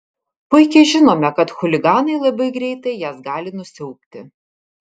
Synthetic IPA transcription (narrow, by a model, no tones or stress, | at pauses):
pʊɪkʲɛɪʒʲɪnoːmʲɛkɐt̪xʊlʲɪɡɑːnɐɪlˠɐbɐɪɡɾʲɛɪt̪ɐɪjɛsɡɑːlʲɪnʊsʲɛʊk̚t̪ʲɪ